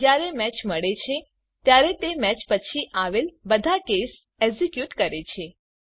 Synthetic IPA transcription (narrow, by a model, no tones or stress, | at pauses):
d͡ʒjaɾemɛt͡ʃməɭet͡ʃʰe | t̪jaɾet̪emɛt͡ʃpət͡ʃʰiʔaʋelbəd̪ʱakes | ɛzikjuʈkəɾet͡ʃʰe